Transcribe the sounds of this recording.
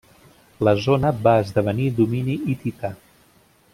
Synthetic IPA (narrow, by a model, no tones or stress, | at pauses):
ləzonəbaəzðəβənid̪uminiit̪it̪a